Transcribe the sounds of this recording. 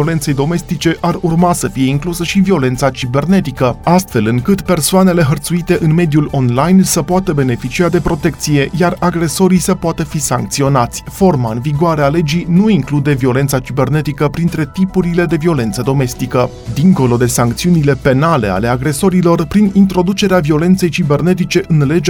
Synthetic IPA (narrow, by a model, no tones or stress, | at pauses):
ole̞nt̪se̞jd̪o̞me̞st̪it͡ʃe̞ʔarurmasəfije̞iŋklusəʃivio̞le̞nt̪sat͡ʃibe̞rne̞t̪ikəast̪fe̞lɨŋkɨt̪pe̞rsoane̞le̞ɦərt̪suit̪e̞ʔɨnme̞d̪ijulo̞nlajnsəpoat̪əbe̞ne̞fit͡ʃiad̪e̞pɾo̞t̪e̞k̚t̪sije̞jaraɡɾe̞so̞ɾisəpoat̪əfisaŋk̚t̪sio̞nat̪sʲfo̞rmaɨnviɡoaɾeale̞d͡ʒinuiŋklud̪e̞vio̞le̞nt̪sat͡ʃibe̞rne̞t̪ikəpɾint̪ɾe̞t̪ipuɾile̞d̪e̞vio̞le̞nt̪səd̪o̞me̞st̪ikə | d̪iŋko̞lo̞d̪e̞saŋk̚t̪siunile̞pe̞nale̞̰a̰le̞aɡɾe̞so̞ɾilo̞rpɾinint̪ɾo̞d̪ut͡ʃe̞ɾeavio̞le̞nt̪se̞jt͡ʃibe̞rne̞t̪it͡ʃe̞ʔɨnle̞d͡ʒ